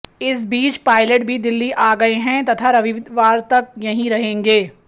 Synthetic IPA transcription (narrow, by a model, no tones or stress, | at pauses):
ɪs̬biːt͡ʃpaːɪleʈbʱid̪ɪlːiʔaːɡɐeɦɛ̃t̪ɐt̪ʰaɾɐʋiʋɪd̪ʋaːɾt̪ɐk̚jɐɦĩɾɐɦẽːŋɡeː